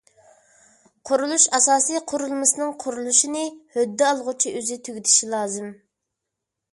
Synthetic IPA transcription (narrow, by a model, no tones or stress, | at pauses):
qʰʊɾulˠuʃɑsɑːsijqʰʊɾulˠmɨsɨnɨŋqʰʊɾulˠuʃinɨhød̪ːɛɑlˠʁʊt͡ʃʰiʔøzɪt̪ʰyɡʲit̪ʰɪ̥ʃilˠɑːzɨm